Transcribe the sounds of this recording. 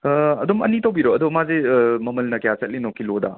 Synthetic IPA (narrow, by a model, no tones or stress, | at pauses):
ɐdɔmɐ̰nitowbiɾoɐd̪omazemɐmɐlnɐkejat͡ʃɐt̚linɔkʰiloda̰